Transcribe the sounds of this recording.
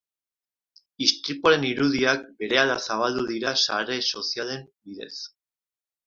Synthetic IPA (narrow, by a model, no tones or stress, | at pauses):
ist̪ɾipuaɾe̞niɾuðiak̚be̞ɾe̞alasaβ̞ald̪uðiɾasaɾe̞so̞siale̞mbiðe̞̰s